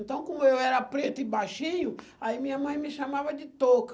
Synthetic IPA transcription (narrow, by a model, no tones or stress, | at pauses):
nt̪ɐ̃w̃kõmʊewɛɾɐpɾet̪ʊɪbajʃĩɲʊ | aimĩɲɐmɐ̃j̃mɪʃamavɐd͡ʒɪt̪ok